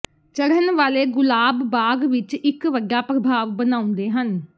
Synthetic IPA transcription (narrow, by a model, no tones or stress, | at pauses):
t͡ʃəɽənʋaːleːɡʊlaːbːaːɡʋɪt͡ʃɪkʋəɡjaːpɾəbʱaːʋbənãːʊ̃nd̪eːɦən